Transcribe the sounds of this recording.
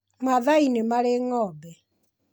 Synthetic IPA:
maðainemaɾeŋɔːbɛ

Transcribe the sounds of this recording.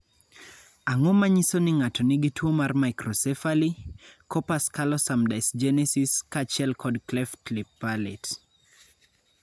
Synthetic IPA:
aŋomaɲisonɪŋatɔnɪɡitwomarmajkɾɔsɛfalikɔpaskalɔsamdajsd͡ʒɛnɛsiskat͡ʃɛlkʰɔdklɛfklipːalet

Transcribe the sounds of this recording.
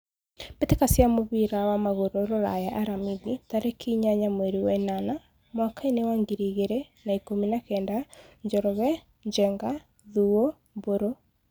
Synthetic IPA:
betekasjamoβiɾawamaɣoɾoɾoɾa̰jaʔaɾamiðitaɾekʰiɲaɲamweɾiwɛnana | mwakainewaŋɡiɾiɣeɾɛ | naikominakɛːndaɲd͡ʒɔɾɔɣɛ | ɲd͡ʑɛŋɡa | ðuo | boɾo

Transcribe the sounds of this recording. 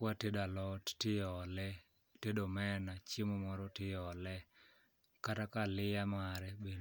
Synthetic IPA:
watedalɔtɪjɔlɛ | tedomɛnat͡ʃemomɔɾɔtɪjɔlɛ | katakalɪjamaɾɛbe

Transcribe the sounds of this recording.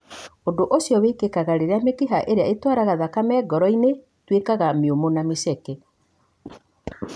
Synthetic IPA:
ondoʔosjɔβekekaɣaɾeɾeamekiɦaʔeɾeaetwaːɾaɣaðakamɛːɡɔɾɔine | twekaɣamiomonamesɛkɛ

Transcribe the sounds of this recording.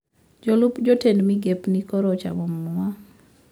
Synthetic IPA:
d͡ʒolʊpd͡ʒotendmiɡepnikɔɾɔt͡ʃa̰bommuwa

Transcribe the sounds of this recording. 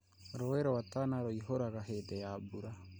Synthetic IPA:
ɾoeɾoatanaɾoiɦoɾaɣaɦedɛjabuɾa

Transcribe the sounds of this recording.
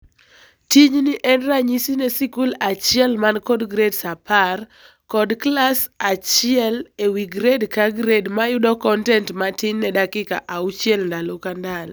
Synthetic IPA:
tiɲniʔɛnraɲisinɛsikulat͡ʃjɛlmankɔdɡɾedsapar | kɔdklasat͡ʃɪɛlewiɡɾedkaɡɾedmajʊdɔkɔntɛntmatɪɲːɛdakɪka̰ʔaut͡ʃjɛlndalokandal

